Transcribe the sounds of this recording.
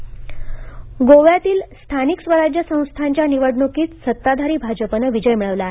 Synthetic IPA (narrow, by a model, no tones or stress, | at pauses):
ɡoʋjat̪iːlst̪ʰaniksʋəɾad͡ʑjəsə̃w̃st̪ʰaɲt͡ɕjaniʋəɽɳokiːt͡ssət̪ːad̪ʱaɾiːbʱad͡ʑəpənəʋid͡ʑəjmiɭəʋlaːɦe